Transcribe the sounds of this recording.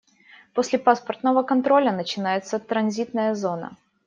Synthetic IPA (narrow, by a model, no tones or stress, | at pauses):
posʲlʲɪpaspərt̪nəvəkɐnt̪ɾo̞lʲənət͡ɕɪnajɪt̪sət̪ɾɐnzʲit̪nəjəzo̞nə̰